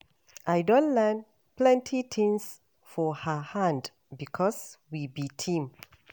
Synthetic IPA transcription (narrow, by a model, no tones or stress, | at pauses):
ʔajdõntlɛn | plɛ̃ntʰitʰĩŋs | fɔhəhãnd | bikʰɔswibitʰĩm